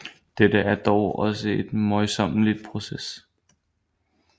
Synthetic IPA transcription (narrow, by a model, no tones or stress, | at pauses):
d̥ed̥əæɐd̥ɒʊɒ̽səe̝d̥mɒɪsɒ̽m̰lid̥̚pʰʁo̝ses